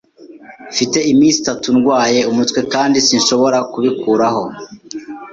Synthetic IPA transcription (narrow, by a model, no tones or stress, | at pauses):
fite̞imiːnsi̥tatunɡwaːje̞umutwe̞kaːndisinʃo̞βo̞ɾakuβikuːɾaho̞